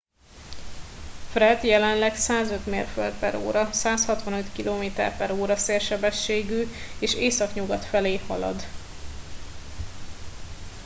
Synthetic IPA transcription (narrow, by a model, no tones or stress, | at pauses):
frɛd̪jɛlɛnlɛksaːzø̞t̪mḛːrfø̰ld̪̚pɛɾo̰ːɾɒsaːshɒt̪ʋɒnøt̪kiloːmeːt̪ɛ̰rpɛɾoːɾɒseːrʃɛbɛʃːeːɡyːeːʃeːsɒkɲuɡɒt̪fɛleːhɒ̰lɒ̰d̪